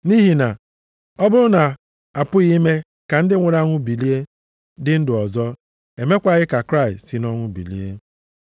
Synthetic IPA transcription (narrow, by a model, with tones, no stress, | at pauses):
ni˦ɦi˨na˨ | ɔ˦bʊ˦ɾʊ˦na˨ | a˨pʊ˦ɣi˦me˦ | ka˨n̩˦dɪ˦ŋʷe˨ɾa˦ŋʷʊ˦bi˨li˦e˦ | dɪ˦n̩˦dʊ˨ɔ˨zɔ˦ | e˨me˦kʷa˨ɣɪ˦ka˨kɾa˦˨ɪ˨stsi˨nɔ˦ŋʷʊ˦bḭ˨lḭ˦e˦